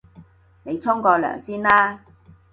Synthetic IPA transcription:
ne˨˧jt͡sʰʊ˥ŋkɔː˧lœ̰ː˨˩ŋsiː˥nlaː˥

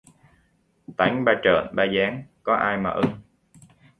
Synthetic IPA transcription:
t̪a˨˦jŋ̟ɓaː˧t͡ɕə̰ː˧˨nɓaː˧zaː˨˦ŋkɔ˨˦ʔaː˧jma̰ː˨˩ʔɨ˧ŋ

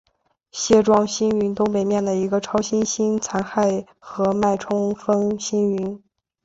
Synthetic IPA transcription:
ɕjɛ˥˧ʈ͡ʂwɑ˥ŋɕi˥ny˧˥nt̪ʊ˥ŋpe˨˩ɪmjɛ˥˩nd̪ə˩i˧˥ɡə˧ʈ͡ʂʰɑ˥ʊɕi˥nɕi˥nt͡sʰa˧˥nxa˥˩ɪ | xɤ˧˥ma˥˩ɪʈ͡ʂʰʊ˥ŋfə˥nɕi˥ny˧˥n

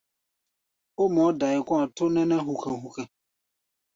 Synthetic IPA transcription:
o˦mɔ˨˦da˨ɪ˨kʷɔ̃˦a˨tʊ˦nɛ̃˦nɛ̃˦ɦu˨kʰɛ̃˨ɦu˨kɛ̃˨

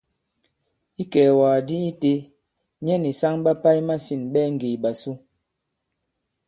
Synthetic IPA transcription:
i˦kɛː˨waː˨di˦i˦te˦ | ɲɛ˦ni˨sa˦ŋɓa˦pa˦jma˦si˨nɓɛ˦ŋ̩˨ɡe˨ɓa˨su˦

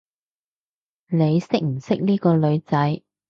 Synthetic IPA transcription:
ne˨˧jsɪ˥k̚m̩˨˩sɪ˥k̚niː˥kɔː˧lɵ˨˧ɥt͡sɐ˨˥j

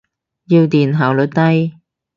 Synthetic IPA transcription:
jiː˧wt̪iː˨˩nɦaː˨˩wlɵ˨˩t̚t̪ɐ˥j

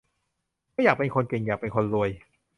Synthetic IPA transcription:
ma˥˩jaː˨˩pe˧nkʰo˧nki˨˩ŋjaː˨˩k̚pe˧nkʰo˧nɾu˧əj

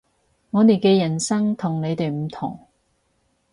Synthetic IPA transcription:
ŋɔː˨˧t̪e˨˩jkɛː˧jɐ˨˩nsɐ˥ŋt̪ʰʊ˨˩ŋle˨˧jt̪e˨jm̩˨˩t̪ʰʊ˨˩ŋ

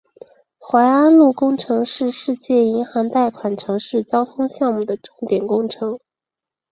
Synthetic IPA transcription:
xwa˧˥ɪa˥nlu˥˩kʊ˥ŋʈ͡ʂʰɤ˧˥ŋʂɻ̩˥˧ʂɻ̩˥˧t͡ɕjɛ˥˩i˧˥nxɑ˧˥ŋt̪a˥˩ɪkʰwa˨˩nʈ͡ʂʰɤ˧˥ŋʂɻ̩˥˩t͡ɕjɑ˥ʊt̪ʰʊ˥ŋɕjɑ˥˧ŋmu˥˩d̪ə˩ʈ͡ʂʊ˥˩ŋt̪jɛ˨˩nkʊ˥ŋʈ͡ʂʰɤ˧˥ŋ

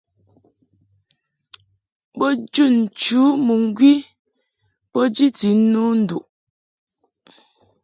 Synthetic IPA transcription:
bɔ˦d͡ʒu˦˨n̩˨t͡ʃu˨˦mu˨ŋ̩˦ɡwi˦ | pɔ˦d͡ʒi˦ti˨˦nu˦n̩˦du˨ʔ

